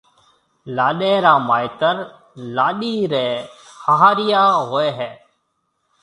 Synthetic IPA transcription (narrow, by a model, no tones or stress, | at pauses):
laːɗeːɾaːmaːɪt̪əɾ | laːɗiːɾɛeː | haɦaːɾɪjaːɦoːeːɦɛː